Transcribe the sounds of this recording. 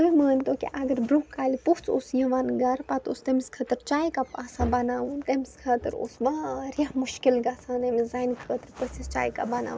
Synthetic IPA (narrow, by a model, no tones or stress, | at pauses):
iməːnʲt̪okḭʔɐɡɐɾbɾoːkːaːlʲipukt͡sosjɐʋaːnɡɐɾpat̪o̰st̪ɐmiskʰɐt̪ɨɾt͡ʃaːjkapaːsãbɐnaːʋunt̪ɐmiskʰɐt̪ɨɾo̰ːsʋaɾʲjaɦmuʃkilɡɐsʰaːnɐmizaːjnik̪kʰət̪ɨɾpəsist͡ʃa̰ːjka̰bɐna̰ːʋ